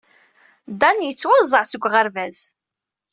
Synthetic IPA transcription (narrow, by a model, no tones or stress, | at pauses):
d̪ænjət͡sːwɑzˤəʕsəɡʷːʁəɾvæz